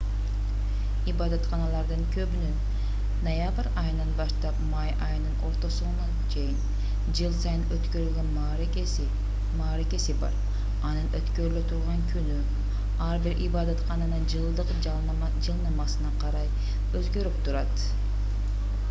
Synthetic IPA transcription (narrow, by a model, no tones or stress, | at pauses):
ibɑd̪ɑt̪qɑnɑlˠɑɾd̪ɯŋkʰøβynyn | nojabɾɑjɯnɑnbɑʃt̪ɑpmɑjɑjɯnɯno̞ɾt̪o̞suunɑ | t͡ʃʰejin | d͡ʒɯlˠsɑjɯnøt̪køɾylɡʲønm | ɾ | mɑːɾeke̞sibɑ̰ɾ | ɑnɯnøt̪køɾyløt̪ʰuɾʁɑŋkʰyny | ɑɾbiɾʔibɑd̪ɑt̪qɑnɑnɯd͡ʒɯlˠd̪ɯq | d͡ʒɯlˠnɑmɑsɯnɑqʰɑɾɑj | øzɡø̞ɾypt̪uɾɑt̪